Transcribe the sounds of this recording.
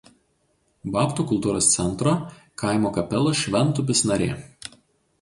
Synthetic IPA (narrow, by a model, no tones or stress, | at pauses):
bɑːpt̪uːkʊlˠt̪uːɾoːst̪sʲɛnˑt̪ɾo | kɑˑɪmoːkɐpʲɛlˠoʃʲʋʲɛnˑt̪ʊp̬ʲɪsnɐɾʲḛː